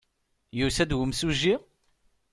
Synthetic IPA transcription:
jusæd̪wəmsuʒːi

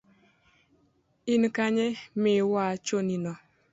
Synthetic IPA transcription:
in̩kaɲemewat͡ʃoninɔ

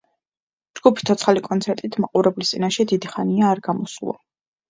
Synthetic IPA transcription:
d͡ʒɡ̥upʰi̥t̪ʰɔt̪sʰχalikʼɔnt̪sʰɛɾt̪ʼit̪ʰmaqʼuɾɛblist̪ʼinaʃɛd̪id̪iχaniaːɾɡamɔslˠa̰

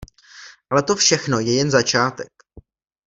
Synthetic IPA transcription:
ʔalɛt̪o̞fʃɛxno̞jɛjɛnzat͡ʃaːt̪ɛk

